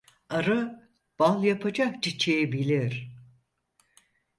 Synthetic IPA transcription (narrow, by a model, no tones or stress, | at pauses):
aɾɯ | b̥alˠjapʰad͡ʒak̚t͡ʃit͡ʃʰejebilʲiɾ̥